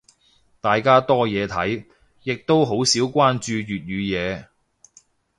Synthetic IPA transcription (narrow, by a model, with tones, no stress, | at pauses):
t̪aː˨jkaː˥t̪ɔː˥jɛː˨˧t̪ʰɐ˨˥j | jɪ˨k̚t̪o˥wɦo˨˥wsiː˨˥wkʷaː˥nt͡ʃyː˧ɥyː˨t̚ɥyː˨˧jɛː˨˧